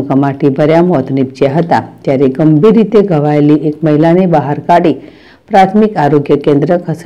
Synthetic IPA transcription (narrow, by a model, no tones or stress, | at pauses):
kamaʈibʱəɾjamɔt̪nipt͡ʃeɦət̪a̰t̪jaɾeɡəmbʱiɾːit̪eɡʱəʋaeliʔekməɦilanebaɦaɾkaɽi | pɾat̪ʰmikaɾoɡjəkẽnd̪ɾəkʰəs